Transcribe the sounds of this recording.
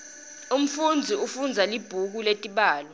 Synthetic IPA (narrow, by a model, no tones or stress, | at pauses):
um̩fund͡zʱiufund͡zʱalib̥ʱuk̬uletʼiɓaːlɔ